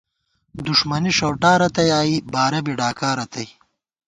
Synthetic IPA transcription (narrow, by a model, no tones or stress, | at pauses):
d̪uʂmɐniʂɐwʈaːɾɐt̪ɐjaːibaːɾɐbiɖaːkaːɾɐt̪ɐj